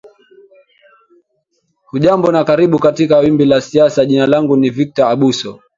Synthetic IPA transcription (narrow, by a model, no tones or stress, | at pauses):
huʄambɔnakaɾiɓukatikawimbilasiasaʄinalaŋɡunivik̚tɔaɓusɔ